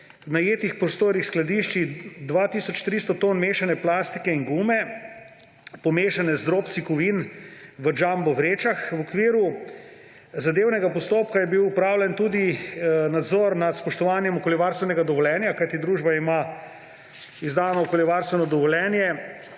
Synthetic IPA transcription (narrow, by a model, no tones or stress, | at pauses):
najeːt̪ixpɾɔst̪oːɾixsklad̪iʃt͡ʃid̪ʋaːt̪isɔt͡ʃt̪ɾist̪ɔt̪onmeːʃanɛplast̪ikɛiŋɡumɛ | pɔmeːʃanɛzd̪ɾoːpt̪sikɔʋinʋəd͡ʒambɔʋɾeːt͡ʃaxwɔkʋiːɾu | zad̪eːwnɛɡapɔst̪oːpkajɛbiwupɾaːwlʲɛnt̪uːd̪inad̪zɔːɾnat̪spɔʃt̪ɔʋaːnjɛmɔkoljiʋaːɾst̪ʋɛnɛɡad̪ɔʋɔljɛːnjakajt̪id̪ɾuːʒbaima | izd̪aːnɔːkoljiʋaːɾst̪ʋɛnɔd̪ɔʋɔljɛnjɛ